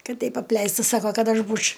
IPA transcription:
ˈkɐt ˈtʲɛɪp ɐpʲˈlʲɛɪstɐ ˈsɑːkoː ˈkɐt ˈɐʃ ˈbuːt͡ʃʲ

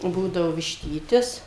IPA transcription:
ˈbuːdɐʋoː ʋʲɪʃʲˈtʲiːtʲɪs

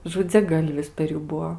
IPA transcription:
ʒʊd͡zʲɛˈɡɐlʲʋʲɪs pʲɛr ˈjuː ˈbuɔ

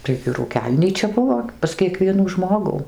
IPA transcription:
tɐɪɡʲɪ ruːˈkʲɛlʲnʲiːt͡ʃʲɛ ˈbʊʋoː pɐs kʲiɛˈkʋʲiɛnuː ˈʒmoːɡuː

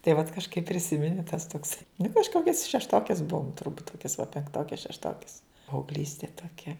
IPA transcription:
tɐɪ ʋɐt kɐʃˈkɐɪp pʲrʲɪˈsʲɪmʲɛnʲɪ tɐs toːks nʊ kɐʃˈkoːkʲɛs ʃʲɛʃˈtoːkʲɛs ˈbʊʋoːm tʊrˈbuːt ˈkoːkʲɛs ʋɐ pʲɛŋkˈtoːkʲɛs ʃʲɛʃˈtoːkʲɛs pɐɐʊɡˈlʲiːsʲtʲeː toːˈkʲɛ

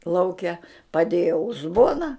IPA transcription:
ˈlˠɐʊkʲɛ pɐˈdʲeːjɛ ʊzˈboːnɐ

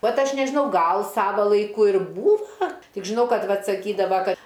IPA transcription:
ˈʋɐt ˈɐʃ nʲɛʒʲɪˈnɐʊ ˈɡɐlˠ ˈsɑːʋɐ lˠɐɪˈkʊ ɪr ˈbuːʋɐ ˈtʲɪk ʒʲɪˈnɐʊ ˈkɐt ˈʋɐt sɐˈkʲiːdɐʋɐ ˈkɐt

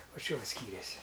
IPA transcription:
ˈʋɐ ˈt͡ʃʲɛ ˈʋɐ ˈsʲkʲiːrʲeːsʲɪ

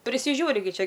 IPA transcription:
pʲrʲɪsʲɪˈʒʲuːrʲɪ ɡʲɪ ˈt͡ʃʲɛ

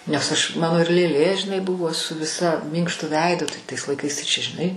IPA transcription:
nʲɛs ɐʃ ˈmɑːnoː ɪr lʲeːˈlʲeː ʒʲɪˈnɐɪ ˈbʊʋoː sʊ ˈʋʲɪsɐ ˈmʲiːŋkʃtʊ ˈʋʲɛɪdʊ tɐɪ tɐɪs lˠɐɪˈkɐɪs tɐɪ t͡ʃʲɛ ʒʲɪˈnɐɪ

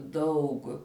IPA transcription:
ˈdɐʊk

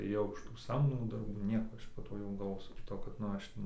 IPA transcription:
eːˈjɛʊ ɪʃ tuː ˈsɐmdoːmuː dɐrˈbuː ˈnʲiɛkoː ˈɐʃ poː ˈtoː jɛʊ ɡɐlˠˈʋoːsʲʊ kʲɪˈtoː kɐt nʊ ˈɐʃ

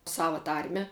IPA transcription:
ˈsɑːʋɐ ˈtɐrʲmʲɛ

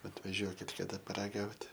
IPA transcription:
ɐtʋɐˈʒʲuɔkʲɪt kɐˈdɐ pɐrɐˈɡɐʊtʲ

